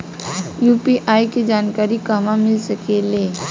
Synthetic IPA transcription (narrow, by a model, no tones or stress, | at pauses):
juːpiʔaːiked͡ʒaːnkaːɾikɐmãmɪlsɐkeleː